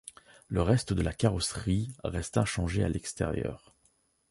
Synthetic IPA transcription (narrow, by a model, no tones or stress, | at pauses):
ləʁɛst̪əd̪əlakaʁɔsχiʁɛst̪ɛ̃ʃɑ̃ʒea̰lʔɛkst̪ɛ̰ʁjœ̰ːʁ